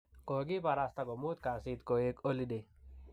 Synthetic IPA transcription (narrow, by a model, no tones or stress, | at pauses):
koɡipaɾast̪akomuːt̪kaːsiːt̪koekolid̪e